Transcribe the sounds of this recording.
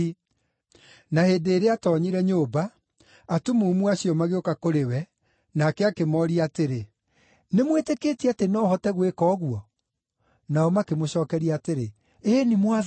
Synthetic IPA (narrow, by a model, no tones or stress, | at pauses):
naheːdeːɾeatɔːɲiɾɛɲobaː | tumumuaɕiɔmaɣeokakoɾewɛ | nakɛakemɔɾiateɾe | nemwetekeːtiatenɔːhɔtɛɣwekɔːɣuɔ | naɔmakemoɕɔːkɛɾiateɾe | eːnimwa